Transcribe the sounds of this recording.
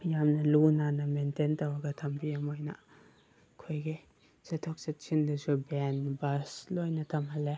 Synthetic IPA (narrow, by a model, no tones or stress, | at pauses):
jamnɐlunanɐmententɐwɐɡɐtʰɐmpiɐmojnɐ̰ | kʰojɡe | setʰɔk̚sɐt̚t͡ʃʰindɐsubenbɐslojnɐtʰɐmhɐle